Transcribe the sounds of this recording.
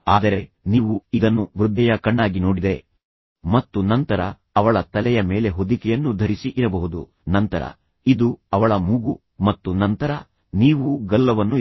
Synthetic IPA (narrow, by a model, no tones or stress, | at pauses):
aːd̪ɐɾe̞ | niːʋuid̪ɐnːuʋɾud̪ʱːɛjɐkɐɳːaːɡinoːɽid̪e̞ | mɐt̪ːunɐnt̪ɐɾɐ | ɐʋɐɭɐt̪ɐlɛjɐme̞ːle̞ɦod̪ikɛjɐnːud̪ʱɐɾisiʔiɾɐbɐɦud̪ṵ | nɐnt̪ɐɾɐ̰ | id̪uɐʋɐɭɐmuɡu | mɐt̪ːunɐnt̪ɐɾɐ | niːʋuɡɐlːɐʋɐnːu